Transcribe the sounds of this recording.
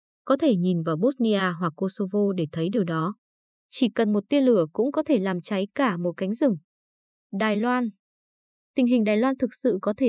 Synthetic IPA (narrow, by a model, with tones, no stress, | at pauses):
kɔ˨˦t̪ʰe˧˩ɲi˨˩nvaː˨˩wɓo˦˥t̚ni˧ʔaː˧ɦwa˨˩kːo˧so˧vo˧ɗe˧˩t̪ʰə˨˦jɗɨ˨˩əwɗɔ˨˦ | t͡ɕi˧˩kə˨˩nmo˨˩t̚t̪i˧ənlɨ˧˩əkʊ̰˧˥ŋ͡mkɔ˨˦t̪ʰe˧˩laː˨˩mt͡ɕa˨˦jkaː˧˩mo˨˩t̚ka˨˦jŋ̟zɨ˨˧˩ŋ | ɗaː˨˩jlwaː˧n | t̪ï˨˩ŋ̟ɦï˨˩ŋ̟ɗaː˨˩jlwaː˧nt̪ʰɨ˨˩k̚sɨ̰˧˨kɔ˨˦t̪ʰe˧˩